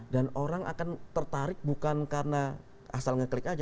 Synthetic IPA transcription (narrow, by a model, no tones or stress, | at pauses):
danoɾaŋʔa̰kant̪ərt̪aɾɪk̚bukankarəna | a̰salŋəklɪkad͡ʒ